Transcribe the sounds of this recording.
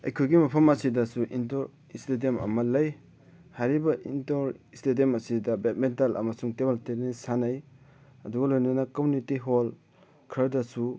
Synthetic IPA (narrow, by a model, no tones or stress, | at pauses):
ɐ̰jkʰojɡimɐpʰɐmɐsidɐsuʔintoɾ | istediemɐ̰mɐlɐj | haɾibɐʔintoɾistediemɐsidɐbet̚mentalʔɐ̰mɐsuŋtebalteɾnisanɐj | ɐduɡɐlojnɐnɐkomunitiɦol | kʰɐɾdɐsu